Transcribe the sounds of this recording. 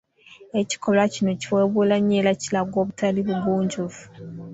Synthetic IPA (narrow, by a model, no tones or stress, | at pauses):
e̞ci̥ko̞lacino̞ciweːβulaɲːeːlacilaɡo̞ːβutaliβuɡuːɲɟuvu̥